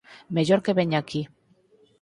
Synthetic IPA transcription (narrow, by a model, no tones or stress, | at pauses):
meʝoɾkeβeɲaki